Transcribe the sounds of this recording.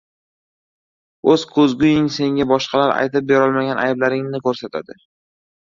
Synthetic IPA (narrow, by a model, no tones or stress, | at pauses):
ɵz̥kʰɵzɡʲʊjɪŋse̞ŋʲabɒʃqʰɑlaɾa̰jt̪ɪp̚beɾɒlˠmaɡʲanʔajblaɾɪŋnɪkʰɵɾsat̪ʰad̪ɪ